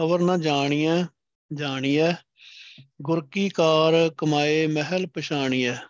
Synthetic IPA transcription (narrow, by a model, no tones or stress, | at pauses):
əʋəɾnãːd͡ʒaːɳ̃iːɛ̃ː | d͡ʒaːɳ̃iːɛː | ɡʊɾkiːkaːɾkəmaːeːməɦəlpəʃaːɳiːɛː